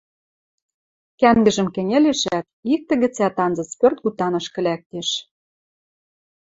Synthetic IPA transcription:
kæŋɡɘ̆ʒə̆mkɘ̆nʲĕleʃæt̪̚ik̚t̪ɘ̆ɣɘ̆t͡sæt̪ɑnzɤ̆t͡spørt̪̚ɣut̪ɑnɤ̆ʃkɘ̆lʲæk̚t̪eʃ

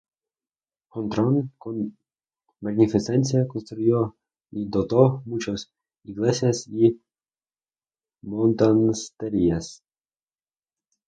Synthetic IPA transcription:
xɔnt̪ɾɔnkɔn | maɡnʲifisɛnʲsʲijakɔnst̪ɾujɔ | id̪ɔt̪ɔmut͡ʃɔsʲ | iɡlˠɛsʲɛsi | mɔnt̪anst̪ɛɾʲias

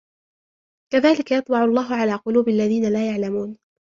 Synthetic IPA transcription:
kaðaːlɪkajɑt̪ˤbɑʕʊlˤːɑːɦʊʕalaːqʊluːbɪʔalːaðiːnalaːjaʕlamuːn

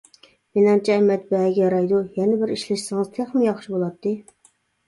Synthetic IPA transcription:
menɨŋt͡ʃʰɛɛmɛt̪̚bɛɡʲɛjɑɾɑjd̪ujɛnɪbɪɾiʃlɪʃsɨŋɨz̥t̪ʰeχmɪjɑχʃibolˠɑt̪ʰːɨ

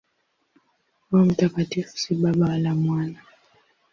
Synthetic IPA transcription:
wam̩takatifu̥siɓaɓawalamwana

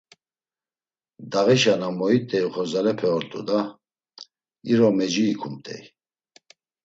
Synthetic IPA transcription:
d̪aɣɛʃanamɔit̪ʼɛiχɔzalɛpʰɛɔɾt̪ʼṵd̪a | iɾɔmɛd͡ʒiːkʰumt̪ʼɛ̰j

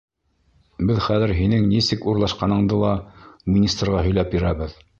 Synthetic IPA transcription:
bɘðχæðɘ̆ɾɦinɘŋnisɘkuɾlˠɑʃqɑnɤ̆ɴd̪ɤlˠɑmʲinʲist̪rʁɑɦɵ̆jlæpjĭɾæβɘð

